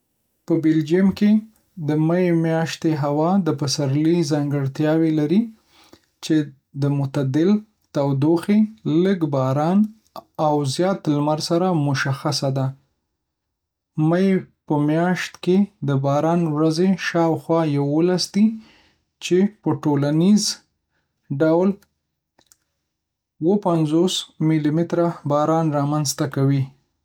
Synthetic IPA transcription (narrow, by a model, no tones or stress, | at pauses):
pəbɪld͡ʒiamke | d̪əmajemjɑʃt̪eɦawɑd̪əpasaɾlizɑŋɡəɽt̪jɑwelaɾi | t͡ʃe | d̪əmʊt̪ad̪ɪl | t̪awd̪oxeləɡbɑɾɑn | awzjɑt̪lmaɾsaɾamʊʃaxasad̪a | majpəmjɑʃt̪ked̪əbɑɾɑnwɾazeʃɑwxwɑjawolasd̪i | t͡ʃepəʈolaniz | ɖawl | wəpanzosmilimɪt̪ɾabɑɾɑnɾɑmanzt̪akawi